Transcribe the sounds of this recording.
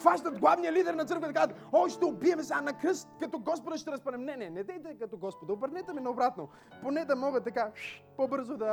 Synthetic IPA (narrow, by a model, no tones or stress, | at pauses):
faʃt̪ɐt̪ɡlˠavnijəlid̪ɛɾnɐt̪səɾkvət̪kazt̪oʃt̪ɛʊbiɛmɛsanɐkɾəst̪kɐt̪ɔɡɔspod̪ɐʃt̪ɛɾɐspɐnɛmnɛnɛnɛd̪ɛjt̪ɛkɐt̪ɔɡɔspod̪ɐobəɾd̪ɛt̪ɛmɛnɐobɾat̪no | ponɛd̪ɐmɔɡət̪ːɐkaʃpobɤɾzod̪ɐ